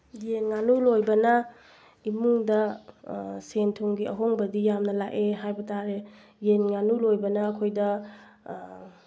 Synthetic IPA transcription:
jenŋanulojbɐnɐ | imuŋdɐ | sentʰuŋɡiɐɦoŋbɐdijamnɐlaʔeɦajbɐtʰaɾe | jenŋanulojbɐnɐːkʰojdɐ

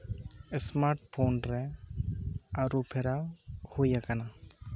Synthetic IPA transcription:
ɪsmaɾʈ̚pʰonɾɛ | aɾupʰɛɾawhojakana

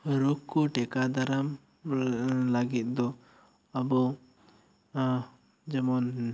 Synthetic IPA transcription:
ɾɔkːuʈɛkad̪ʱaɾam | laɡit̪̚ˀd̪ɔ | abɔ | d͡ʒɛmɔn

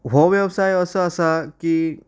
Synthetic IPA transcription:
ɦoʋjəbsajəsəəsaki

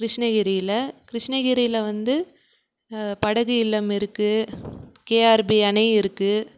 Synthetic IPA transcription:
kɾɪʂɳɐɣɪɾɪjɪlɐkɪɾɪʂɳɐɣɪɾɪjɪlɐʋɐnd̪ɯ | pɐɽɐɣɯɪlːɐmɪɾɯkːɯ | keːaːɾbiɐɳɐɪɾɯkːɯ

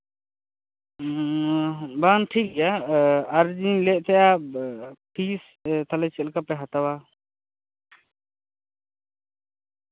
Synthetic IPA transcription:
banʈʰik̚ɛjaaɾd͡ʒinlɛʔ̚ˀt̪ʰɛja | pʰis | t̪ʰalɛt͡ʃɛlkapɛɦat̪awa

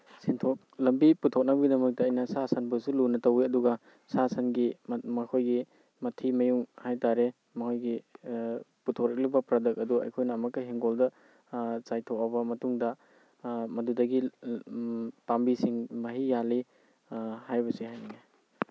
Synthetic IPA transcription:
sintʰɔk̚lɐmbiputʰːɔk̚nɐbɐɡidɐmɐk̚tɐːjnɐsasanbɐsulunɐtɐwiɐduɡɐ | sasanɡimɐkʰojɡi | mɐtʰimɐjuŋhajtaɾe | mɐkʰojɡi | putʰɔk̚ɾɐk̚libɐpɾadɐk̚ɐduɐ̰jkʰojnɐːmɐkːɐɦiŋɡoldɐ | t͡ʃajtʰɔk̚ɐbɐmɐtuŋdɐ | mɐdudɐɡi | pambisiŋmɐɦijali | hajbɐsiɦajniɡa

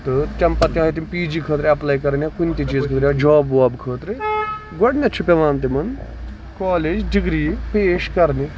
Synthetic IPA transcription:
t̪ɨt͡ʃɐmpɐt̪iɦaːit̪impiːd͡ʒiːkʰəːt̪ɾeɐplaːjkɐɾnʲakunʲt̪it͡ʃiːzkʰəːt̪ɾaːd͡ʒaːbʋaːbkʰəːt̪ɾi | ɡɔɽnʲɐt͡ʃʰupʲɐʋaːnt̪̬imɐn | kaːleːd͡ʒɖiɡɾiːpeːʃkɐɾni

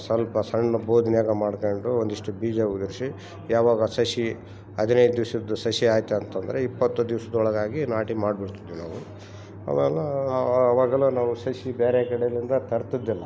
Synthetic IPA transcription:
sɐlpɐsɐɳːɐboːd̪ʱnjaːɡɐmaːɖkɐɳɖuond̪iʂʈubiːd͡ʒɐɡud̪ɐɾʂi | jaːʋaːɡɐsɐʃi | ɐd̪ʱinɐjd̪d̪iʋsɐd̪usɐʃiaːjt̪ːeɐnt̪ɐnd̪ɐɾeipːɐt̪ːud̪iʋsɐd̪ɔɭɐɡaːɡinaːʈimaːɽbiɽt̪id̪ːʋinaːʋu | a̰ːmeːlɐːʋaːɡɐlːoːnaːʋusɐʃibeːɾekɐɽeɐlind̪ɐt̪ɐɾt̪id̪ːilːɐ

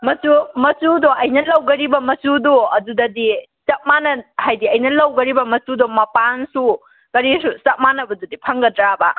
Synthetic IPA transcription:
mɐsumɐsudɔʔɐjnɐlɐwɡɐɾibɐmɐsudoɐdudɐdisɐt̚manɐhajdiɐjnɐlɐwɡɐɾibɐmɐsudɔmɐpansu | kɐɾisusɐt̚manɐbɐdudipʰɐŋɡɐdɾabɐ

